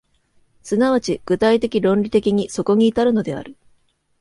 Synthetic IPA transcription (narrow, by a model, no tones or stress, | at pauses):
sɨnaβ̞at͡ɕiɡ̥ɯ̟t̪ait̪e̞kʲiɾõ̞nɾʲit̪e̞kʲiɲ̟iso̞ko̞ɲ̟iːt̪aɾɯ̟no̞d̪e̞a̰ɾɯ̟